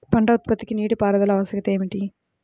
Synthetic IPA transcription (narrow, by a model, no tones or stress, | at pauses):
pɐɳɖɐʊt̪̚pɐt̪ːikʲːɯniːɽɯpaːɾɐðɐlɐʋɐsjɐɣɐt̪ːeːmiʈːi